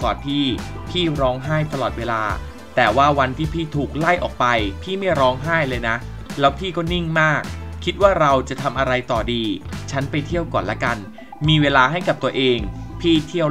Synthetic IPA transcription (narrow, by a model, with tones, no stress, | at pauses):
kɔː˨˩npʰiː˥˩pʰiː˥˩ɾɔː˦˥ŋɦaː˥˩jt̪a˧lɔː˨˩t̪̚weː˧laː˧ | t̪ɛː˨˩waː˥˩wa˧nt̪ʰiː˥˩pʰiː˥˩t̪ʰuː˨˩k̚la˥˩jʔɔ̰ː˨˩k̚pa˧jpʰiː˥˩ma˥˩jɾɔː˦˥ŋɦaː˥˩jlɤː˧jna˦˥ | lɛː˦˥wpʰiː˥˩kɔː˥˩ni˥˩ŋmaː˥˩k̚ʰːi˦˥t̪̚waː˥˩ɾa˧wt͡ɕa˨˩t̪ʰa˧mʔa˧ɾa˧jt̪ɔː˨˩diː˧t͡ɕʰa˦˥npa˧jt̪ʰi˥˩əwkɔː˨˩nla̰˦˥ka˧n | miː˧weː˧laː˧ɦa˥˩jka˨˩p̚t̪u˧ɐʔeː˧ŋpʰiː˥˩t̪ʰi˥˩əw